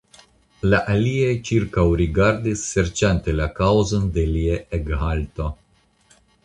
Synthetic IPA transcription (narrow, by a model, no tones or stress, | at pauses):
laʔaliejt͡ʃiɾkawɾiɡaɾd̪isːeɾt͡ʃant̪elakawzond̪elieʔeɡɦalt̪o̞